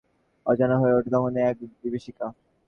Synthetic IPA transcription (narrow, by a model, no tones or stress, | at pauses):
ɔ̰d͡ʑanoɦoeoʈid̪ɔŋoneɛk̚bibiʃika